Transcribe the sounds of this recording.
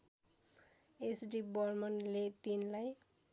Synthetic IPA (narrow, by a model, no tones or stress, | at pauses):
esɖibʌrmʌnlet̪inlaj